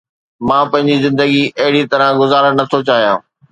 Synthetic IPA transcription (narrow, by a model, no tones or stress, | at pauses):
mãːpɐ̃ɦɪ̃ɲd͡ʑizɪ̃nd̪əɡiʔɐɦɪɽit̪ɐɾãɡʊzaːɾəɽnɐt̪ʰot͡ɕaːɦijãː